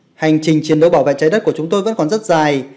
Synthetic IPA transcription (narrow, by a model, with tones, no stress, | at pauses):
ha˨˩jŋ̟t͡ɕï˨˩ŋ̟t͡ɕi˨ənɗə˨˧˦wɓaː˧˩wvḛ˧˨t͡ɕaː˨˦jɗə˦˥ku˧˩ət͡ɕʊ˨˦ŋ͡mt̪o˧jvə̰˧˥nkɔ˨˩nzə˦˥t̚zaː˨˩j